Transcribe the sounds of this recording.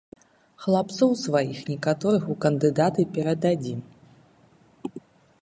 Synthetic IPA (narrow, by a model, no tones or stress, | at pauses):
xlˠapt̪sɔwsvajixnʲɛkat̪ɔɾɨxukɐnd̪ɨd̪at̪ɨpʲɛɾɐd̪ad͡zʲi